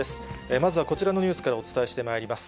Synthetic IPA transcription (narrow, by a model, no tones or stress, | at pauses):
esɨ̥emazɨβako̞t͡ɕiɾano̞ɲ̟ɨːsɨ̥kaɾao̞t͡sɨ̥t̪ae̞ɕi̥t̪e̞maiɾʲimasɨ̥